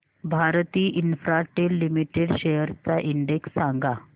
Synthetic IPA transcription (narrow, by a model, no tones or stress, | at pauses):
bʱaɾt̪iːʔinfɾaʈelːimiʈeɽɕejəɾt͡saʔiɳɖeksːaŋɡa